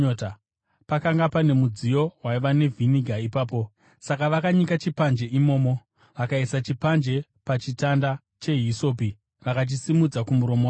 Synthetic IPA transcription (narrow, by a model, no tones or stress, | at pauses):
ota | pakaŋɡapane̞mud͡zijo̞ɦwaiʋane̞viniɡʱaipaːpo̞ | sakaʋakaɲikat͡ʃipand͡ʒe̞ʔimo̞ːmo̞ | ʋakaisat͡ʃipand͡ʒe̞ | pat͡ʃitanda | t͡ʃe̞ɦiso̞ːpi | ʋakat͡ʃ̬isimud͡zakumuɾo̞mowa